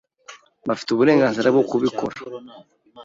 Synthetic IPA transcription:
bafi̥tuβuɾe̞ːŋɡaːnziɾabɡokuβiko̞ɾa

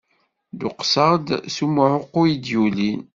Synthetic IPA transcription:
d̪ʊqsəʁd̪sumʕʊqːʊid̪julin

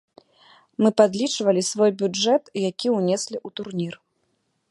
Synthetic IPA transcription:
mɨpad̪lʲit͡ʂvɐlʲisvɔjbʲud͡ʐɛt̪jakʲiunʲɛsʲlʲiʔut̪urnʲir

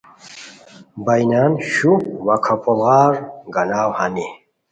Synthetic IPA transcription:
bajnaːnɕuwakʰapolɣaːɾɡɐnaːwhani

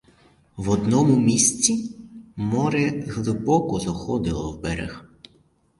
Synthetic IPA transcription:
ʋɔd̪nɔmʊmʲisʲt͡sʲimɔɾɛɣlˠɪbɔkɔzɔxɔd̪ɪlˠɔwbɛɾɛ̰x

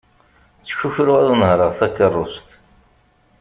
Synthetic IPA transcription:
t͡sːçuçɾʊʁæðˤənhɾˤəʁθækːərˤːʊst̪

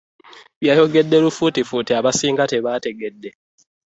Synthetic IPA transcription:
βjajo̞ɡe̞dːelufutifuteaβasiːŋɡate̞βate̞ɡe̞dːe

